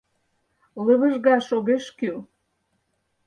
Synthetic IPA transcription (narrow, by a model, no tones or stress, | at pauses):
ləβə̆ʒɣɑʃoɣeʃky